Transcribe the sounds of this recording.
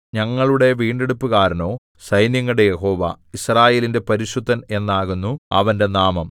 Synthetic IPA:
ɲɐŋːɐɭuɽe̞ʋiːɳɖe̞ɽupːukaːɾɐno̞ː | sɐjnjɐŋːɐɽejeɦo̞ːʋa̰ | israːje̞ːlinde̞pɐɾiɕud̪ʱːɐne̞nːaːɣunːuɐ̰ʋɐnde̞naːmɐm

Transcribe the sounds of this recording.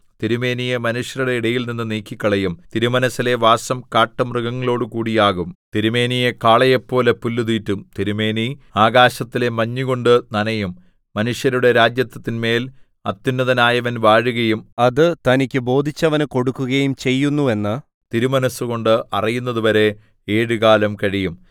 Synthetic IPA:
t̪iɾume̞ːnijemɐnuʂjɐɾuɽe̞iɽɐjilninːɨniːkʲːikʲːɐɭɐjumt̪iɾumɐnɐsile̞ʋaːsɐmkaːʈːɐmrɨɣɐŋːɐɭo̞ːɽɨkuːɽijaːɣumt̪iɾume̞ːnijekaːɭɐjɐpːo̞ːlepulːuðiːtːumt̪iɾumeːniaːɣaːɕɐt̪ːile̞mɐɲːiɣo̞ɳɖɨnɐnɐjumː | ɐnuʂjɐɾuɽe̞ɾaːd͡ʑjɐt̪ːɐt̪ːinme̞ːl | ɐt̪ːinːɐðɐnaːjɐʋɐnʋaːɻuɣɐjumɐðɨt̪ɐnikʲːɨbo̞ːd̪ʱit͡ɕːɐʋɐnɨko̞ɽukːuɣɐjumt͡ɕe̞jːunːue̞nːɨ | t̪iɾumɐnɐsːuɣo̞ɳɖɨʔɐrijunːɐðuʋɐɾe̞ | eːɻuɣaːlɐmkɐɻijum

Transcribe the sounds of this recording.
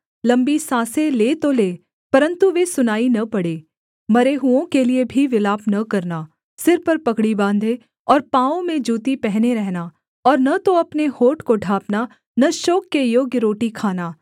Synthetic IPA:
lɐ̃mbisãːseleːt̪oleː | pɐɾə̃nt̪uʋesʊnaːinɐpɐɽeː | mɐɾeɦuõkeliebʱiʋɪlaːpnɐkɐɾna | sɪɾpɐɾpɐkɽibãːnd̪ʱe | ɔːɾpãːõmẽd͡ʒuːt̪ipɛɦneɾɛɦna | ɔːɾnɐt̪oɐpnehoːʈkoɖʱaːpna | nɐʃoːkːejoːɡjəɾoːʈikʰaːnaː

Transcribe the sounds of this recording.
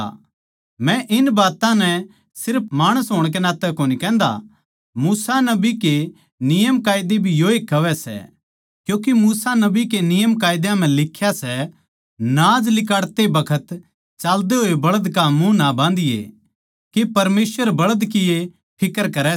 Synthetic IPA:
mɛ̃ʔɪnbaːt̪ãnɛ | sɪɾp̚ʰmaːɽ̃əsɦoːɽ̃k̬enaːt̪ɛkoːnikɛ̃ːnd̪a̰ | muːsanɐbike | nɪjəmkaːɪd̪ebʱijoːekːɐʋɛsɛ̰ | kjũːk̬imuːsanɐbikenɪjəmkaːɪd̪jãm̤ɛ̃lɪkʰːjasɛ | nãːd͡ʒlɪkaːɽt̪ebɐkʰət̪ | t͡ʃaːld̪eɦoːebɐɭəd̪kamũnabãːnd̪ɪjḛ | kepɐɾmeːsʋəɾbɐɭəd̪kɪje | pʰɪkəɾkɐɾɛ

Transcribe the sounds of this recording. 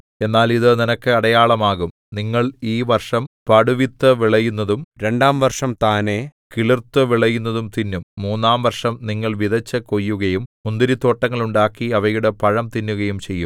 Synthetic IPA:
e̞nːaːliðɨninɐkːɨɐɽɐjaːɭɐmaːɣum | niŋːɐɭiːʋɐrʂɐmpɐɽuʋit̪ːɨʋiɭɐjunːɐðumɾe̞ɳɖaːmʋɐrʂɐmt̪aːne̞kiɭirt̪ːɨʋiɭɐjunːɐðumt̪inːumːuːnːaːmʋɐrʂɐmniŋːɐɭʋiðɐt͡ɕːɐkojːuɣɐjummund̪iɾit̪o̞ːʈːɐŋːɐɭuɳɖaːkːiɐʋɐjuɽepɐɻɐmt̪inːuɣɐjumt͡ɕe̞jːum

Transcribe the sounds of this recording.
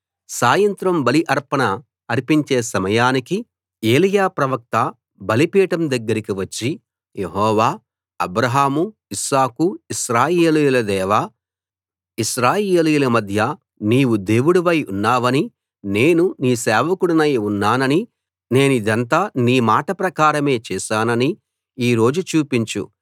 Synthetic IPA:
saːjɐnt̪ɾɐmbɐliʔɐɾpɐɳɐ | ɐɾipiɲt͡ʃe̞ːsɐmɐjaːniki | e̞ːlijaːpɾɐʋɐk̚t̪ɐ | bɐlipiːʈɐmd̪ɐɡːɐɾikiʋɐt͡ʃːi | je̞ɦɔːʋaː | ɐbɾɐɦaːmuiʃaːkuiʃɾaːjeːlijulɐd̪ɛːʋa | iʃɾaːjeːlijulɐmɐd̪ʱjɐ | niːʋud̪e̞ːwuɽuʋɐjṵnːaːʋɐni | ne̞ːnuniːsɛːʋɐkuɽunɐjunːaːnɐni | ne̞ːnuid̪ɐnt̪aːniːmaːʈɐpɾɐkaːɾɐme̞ːt͡ʃɛːʃaːnɐni | iːɾo̞ːd͡ʒut͡ʃuːpiɲt͡ʃṵ

